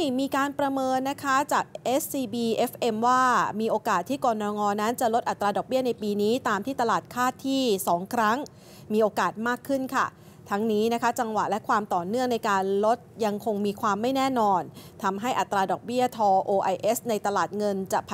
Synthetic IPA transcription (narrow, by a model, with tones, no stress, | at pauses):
miː˧kaː˧npɾa˧mɤː˧nːa˦˥kʰa˦˥t͡ɕaː˨˩k̚ʔe˦˥ssiː˧biː˧ʔe˦˥fʔe˧mwaː˥˩miː˧ʔoː˧kaː˨˩t̪ʰːiː˥˩kɔː˧nɔː˧ŋɔː˧na˦˥nt͡ɕa˨˩lo˦˥t̪̚ʔa˨˩t̪ːɾaː˧dɔː˨˩k̚bi˥˩ɐna˧jpiː˧niː˦˥t̪aː˧mt̪ʰiː˥˩t̪a˧laː˨˩t̪̚kʰaː˥˩t̪ʰːiː˥˩sɔː˩˦ŋkʰɾa˦˥ŋ | miː˧ʔoː˧kaː˨˩t̪̚maː˥˩kʰːɯ˥˩nkʰa˥˩ | t̪ʰa˦˥ŋniː˦˥na˦˥kʰa˦˥t͡ɕa˧ŋwa˨˩ʔlɛ˦˥kʰwaː˧mt̪ɔː˨˩nɯ˥˩əŋna˧jkaː˧nlo˦˥t̪̚ja˧ŋkʰo˧ŋmiː˧kʰwaː˧mːa˥˩jnɛː˥˩nɔː˧nt̪ʰa˧mɦa˥˩jʔa˨˩t̪ːɾaː˧dɔː˨˩k̚bi˥˩ɐt̪ʰɔː˧ʔoː˧ʔa˧jʔe˦˥sna˧jt̪a˧laː˨˩t̪̚ŋɤ˧nt͡ɕa˨˩ʔpʰ